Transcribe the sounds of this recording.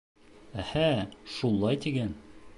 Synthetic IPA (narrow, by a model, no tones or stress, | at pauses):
æhæʃulˠːɑjt̪iɡæn